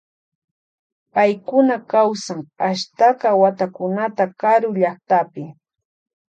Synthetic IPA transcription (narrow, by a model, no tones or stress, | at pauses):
pajkʊnakawsaŋaʃt̪aqɑwat̪akʊnat̪akaɾʊʎaχt̪apɪ